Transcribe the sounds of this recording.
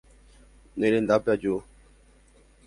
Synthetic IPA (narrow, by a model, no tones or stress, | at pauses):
nelendapad͡ʒo